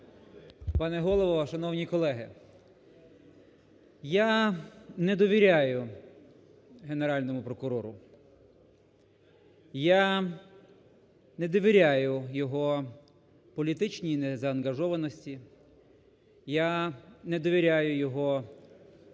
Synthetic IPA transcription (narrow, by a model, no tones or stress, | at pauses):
pɑnɛɦɔlˠɔʋɔʃɐnɔwnʲikɔlˠɛɦɪ | ja | nɛd̪ɔʋʲiɾʲajʊ | ɦeneɾɑlʲnɔmʊpɾɔkʊɾɔɾʊ | ja | nɛd̪ɔʋʲiɾʲajʊjɔɦɔ | pɔlʲit̪ɪt͡ʃnʲinɛzɐːnɡɐʒɔʋɐnɔsʲtʲi | janɛd̪ɔʋʲiɾʲajʊjɔɦɔ